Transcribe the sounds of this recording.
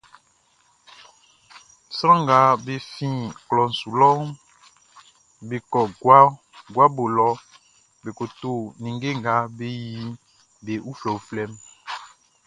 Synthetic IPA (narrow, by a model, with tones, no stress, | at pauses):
sɾã˦ŋɡa˨˦be˨fĩ˦klɔ˨n̩˨su˨lɔ˦ | be˨kɔ˨ɡwa˦ | ɡwa˦bo˨lɔ˦ | be˨ko˨to˦˨nĩ˨ŋɡe˦ŋɡa˨˦be˦ji˦ | be˨ʔu˦flɔ˨u˦flɛ˦m